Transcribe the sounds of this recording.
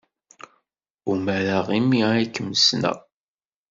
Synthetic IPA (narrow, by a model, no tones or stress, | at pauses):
umæɾaʁimiækːəməsnæ̰